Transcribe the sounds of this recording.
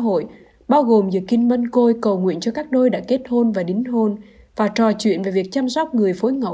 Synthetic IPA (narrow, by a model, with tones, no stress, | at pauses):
a˧˥ɦo̰˧˨j | ɓaː˧wɣo˨˩mzɨ̰˧˨˩ki˧nmə˧nko˧jkə˨˩wŋwḭ˧˨ənt͡ɕɔ˧kaː˦˥k̚ɗo˧jɗa̰ː˧˥ke˦˥t̚ho˧nvaː˨˩ɗi˨˦ŋ̟ɦo˧n | vaː˨˩t͡ɕɔ˨˩t͡ɕwḭ˧˨ənve˨˩vi˨˩ək̚t͡ɕa˧msɔ˦˥wk͡p̚ŋɨ˨˩əjfo˨˦jŋə̰˧˨w